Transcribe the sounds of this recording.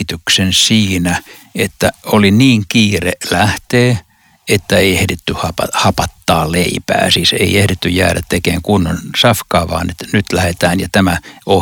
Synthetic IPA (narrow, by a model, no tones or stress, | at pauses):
t̪yksensiːnæet̪ːæoliniːŋkiːrelæht̪eː | et̪ːæeiehdet̪ːyhɑpɑhɑpɑt̪ːɑːleipæ̰ːsiːsḛiehɾet̪ːyjjæːɾæt̪t̪ekeːŋkunːonsɑfkɑːʋɑ̰ːnet̪nyt̪læhet̪æːnjɑt̪æmæo